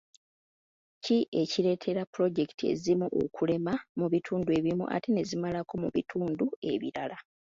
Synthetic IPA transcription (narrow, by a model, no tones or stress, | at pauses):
ciʔe̞ciɾe̞ːtʰe̞ɾapːuɾo̞ɟe̞ktʰie̞̰zimuʔo̞̰kʰule̞mamuβitʰuːndue̞ːβimṵʔa̰tene̞zimalako̞muβitʰuːndue̞̰βḭɾala